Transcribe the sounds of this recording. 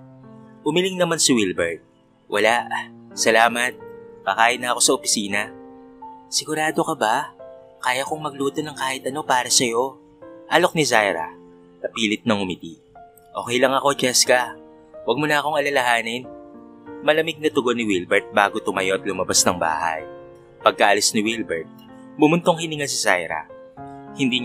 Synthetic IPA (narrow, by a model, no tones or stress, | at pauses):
ʔʊmɪlɪŋnɐmansɪwilbɛɹt̪̚ | wʔɐlaʔsɐlaːmɐt̪̚kɐkaːʔɪnːɐɐko̞sɐʔopɪ̥siːnɐ | sɪɡʊɾaːd̪o̞kɐba | kaːjɐkoŋmɐɡ̚luːt̪o̞nɐŋkaːhɪt̪ɐno̞paːɾɐsɐjo̞ | ʔɐlo̞k̚nɪzajɾɐ̰ | kɐpiːlɪt̪̚nɐŋʊmɪt̪i | ʔo̞ːkɛjlɐŋɐko̞d͡ʒɛskɐ | wɐɡ̚monɐɐko̞ŋɐlɐlɐhaːnɪn | mɐlɐmɪɡ̚nɐt̪ʊɡo̞nɪwilbɛɹt̪̚baːɡo̞t̪ʊmɐjo̞ɐt̪lʊmɐbasnɐŋba̰ːha̰j | pɐɡ̚kɐʔɐlisnɪwilbɛɹt̪̚ | bʊmʊnt̪oŋhɪniŋɐs̬ɪsa̰jɾɐ̰ | hɪnd̪i